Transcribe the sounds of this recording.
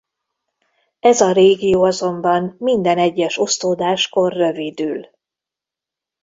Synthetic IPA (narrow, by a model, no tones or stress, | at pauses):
ɛzɒɾeːɡijoːɒzo̞mbɒmmind̪ɛnɛɟːɛʃo̞st̪oːd̪aːʃko̞rːø̞vid̪yːl